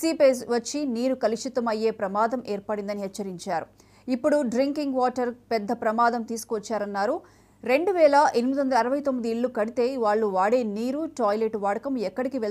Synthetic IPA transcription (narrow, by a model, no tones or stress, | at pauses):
siːpeːsʋɐt͡ʃːiniːɾukɐliʂit̪ɐmɐjːe̞ːpɾɐmaːd̪ɐmʔɛːɾpɐɽind̪ɐniɦɛt͡ʃt͡ʃːɐɾiɲt͡ʃaːɾu | ipːuɽuɖɾiŋkiŋɡʋaːʈɐɾpɛd̪ːɐpɾɐmaːd̪ɐmt̪iːsu̥kuʋɐt͡ʃːaːɾɐnːaːɾu | ɾe̞ɳɖuʋɛːlɐʔenimid̪uʋɐnd̪ɐlɐɾɐʋɐjt̪omːid̪iːɭːukɐɽit̪e̞ːʋaːɭːuʋaːɽe̞ːniːɾuʈaːjleʈʋaːɽɐkɐmɛkːɐɽikiʋe